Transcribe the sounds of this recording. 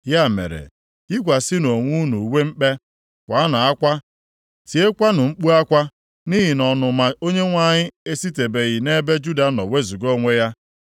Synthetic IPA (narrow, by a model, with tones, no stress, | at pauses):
ja˦˨mḛ˨ɾḛ˨ | i˦kʷa˨sɪ˦no˨ŋʷu˦nu˨we˦m̩˦k͡pe˦ | kʷa˨˦na˨a˦kʷa˦ | ti˨e˦kʷa˦nʊ˨ŋ͡m̩˦k͡pu˦a˦kʷa˦ | ni˦ɦi˨nɔ˨nʊ˨ma˨o˦ɲe˦ŋʷa˦ɲɪ˦e˦si˦te˨be˨ɣi˨ne˦be˦d͡ʒu˦da˨nɔ̰˨we˦zu˨ɡo˦ŋʷe˦ja˦